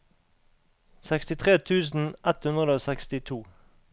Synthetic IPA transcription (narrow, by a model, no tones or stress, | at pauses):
sɛkst̪ɪt̪ʰʁeːt̪ʰʉːsn̩ʔɛt̪hʉnd̪ʁəd̪oːsɛkst̪ɪt̪ʰuː